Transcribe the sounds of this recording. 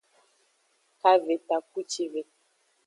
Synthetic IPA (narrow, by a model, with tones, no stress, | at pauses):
ka˦ve˨ta˨k̚u˦t͡ʃi˦ve˨